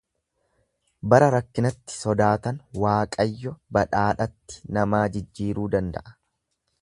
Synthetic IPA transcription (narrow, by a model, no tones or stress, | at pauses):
bɐɾɐɾɐkːɪnɐt̪ːɪ̥sɔd̪aːt̪ɐnwaːkʼɐjːɔbɐᶑaːᶑɐt̪ːɪ̥nɐmaːd͡ʒɪd͡ʒːiːɾuːd̪ɐnd̪ɐ̰ʔɐ̥